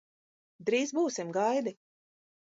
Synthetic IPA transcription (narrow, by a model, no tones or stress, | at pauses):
d̪ɾiːzbuːsimɡajd̪i